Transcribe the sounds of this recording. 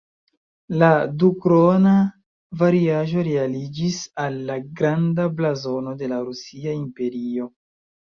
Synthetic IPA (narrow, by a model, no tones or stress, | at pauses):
ladukɾo̞na | vaɾiaʒo̞ɾe̞alid͡ʒisalːaɡɾandablazo̞no̞de̞laɾusiaimpe̞ɾio̞